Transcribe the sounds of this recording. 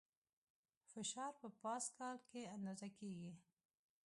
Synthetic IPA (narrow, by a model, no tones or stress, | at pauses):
fɪʃɑɾpəpɑskɑlkeand̪ɑzakeɡi